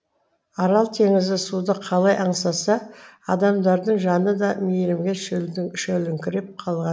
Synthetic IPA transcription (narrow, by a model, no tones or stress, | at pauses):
ɑɾɑlˠt̪ʰe̞ŋɪzɪsud̪əqʰɑlˠɑjʔɑɴsɑsɑɑd̪ɑmd̪ɑɾd̪əɴʒɑnəd̪ɑmejɾɪmɡʲeʃɵlɪʃɵlɪŋkʲʰɪɾep̚qʰɑlˠʁɑn